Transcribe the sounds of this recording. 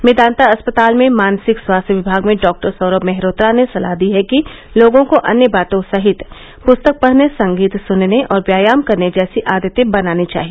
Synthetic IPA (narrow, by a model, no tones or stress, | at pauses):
mɪd̪ãːnt̪aɐspət̪aːlmẽmaːnsɪkswaːst̪ʰjəʋɪbʱaːɡmẽɖɔːk̚ʈəɾsɔːɾəbmɛɦɾoːt̪ɾanesɐla̰ːd̪iɦɛki | loːɡõkoʔɐnjəbaːt̪õsɐɦɪt̪ | pʊst̪ək̚pəɦnesɐ̃ŋɡiːt̪sʊnneʔɔːɾbjaːjaːmkɐɾned͡ʒɛːsiʔaːd̪jət̪ẽbɐnaːnit͡ʃa̰ːɦie